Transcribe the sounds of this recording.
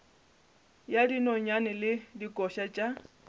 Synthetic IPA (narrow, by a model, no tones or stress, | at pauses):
jadinɔɲanɛlɪdikʼɔʃat͡ʃʼa